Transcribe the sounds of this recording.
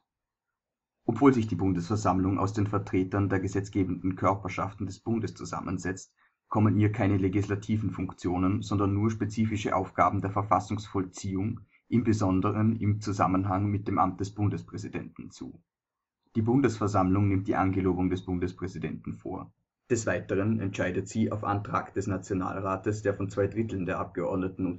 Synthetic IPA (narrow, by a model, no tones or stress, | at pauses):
ʔɔpv̥oːlzɪçd̥iːbʊndəsfɛɐzamlʊŋʔa̰ʊsd̥eːnfɛɐtʁ̥eːtɐndeːɐɡəzɛt͡sɡ̥eːbn̩dn̩kʰœɐpɐʃaftn̩dɛsb̥ʊndəst͡suza̰mʔə̰nzɛt͡st | kʰɔmənhiːɐkʰaɪnəleɡislatʰiːvn̩fʊŋkt͡sjoːnənzɔndɐnːuːɐʃpet͡siːfɪʃəʔa̰ʊfɡ̥aːbm̩deːɐfɛɐfasʊŋsfɔlt͡siːʊŋ | ʔɪmbəzɔndəʁənɪmt͡suza̰mənɦaŋmɪt̚d̥eːmʔa̰mt̚d̥ɛsb̥ʊndəspʁ̥ɛzidɛ̰ntn̩t͡sṵː | d̥iːbʊndəsfɛɐzamlʊŋnɪmt̚d̥iːʔanɡəloːbʊŋdɛsb̥ʊndəspʁ̥ɛzidɛntn̩fo̰ːɐ | d̥ɛsv̥aɪtəʁ̞ənɛ̰ntʃaɪdətz̥iːa̰ʊfʔa̰ntʁ̥a̰ːkd̥ɛsnat͡sjona̰ːlʁaːtəsd̥eːɐfɔnt͡sv̥aɪdʁɪtl̩ndeːɐʔap̚ɡ̥əʔɔɐdnətn̩ʊn